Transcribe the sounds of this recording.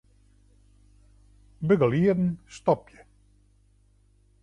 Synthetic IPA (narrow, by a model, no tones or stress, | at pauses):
bəɡəliədn̩st̪ɔpjə